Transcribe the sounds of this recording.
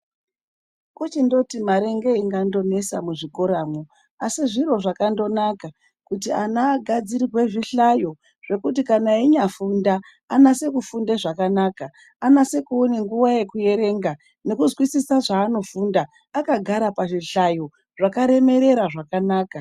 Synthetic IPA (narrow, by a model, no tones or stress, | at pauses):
kut͡ʃindo̞timaɾe̞ŋɡe̞iŋɡando̞ne̞samuʐiko̞ɾaːmo | asiʐiro̞ʐakando̞naka | kutianaːɡʱad͡ziɾiwe̞ʐiɬajo̞ | ʐ̥e̞kutikanaiɲafundaː | nase̞kufundeʐakanaːka | anase̞kuoneŋɡuʋaje̞kuje̞ɾe̞ŋɡa | ne̞kuzwisisaʐaːno̞fuːndaː | kaɡʱaɾapaʐiɬajo̞ | ʐakaɾe̞me̞ɾe̞ɾaʐakanaːka